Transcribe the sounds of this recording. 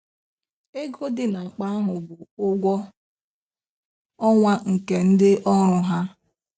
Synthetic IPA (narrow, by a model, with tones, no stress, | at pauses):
e˦ɡo˦dɪ˦na˨a˨k͡pa˦a˦ɦʊ˨bʊ˨ʊ˦ɡʷɔ˦ | ɔ˦ŋʷa˦ŋ̩˨ke˨n̩˦dɪ˦ʔɔ˦ɾʊ˨ɦa˦